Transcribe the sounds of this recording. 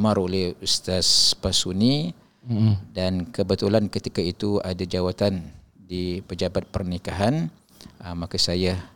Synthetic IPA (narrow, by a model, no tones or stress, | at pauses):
maɾolɛhust̪aspasuni | dankəbət̪ulankət̪ikait̪uadad͡ʒawat̪an | dipəd͡ʒabat̪̚pərnikaɦan | makasaja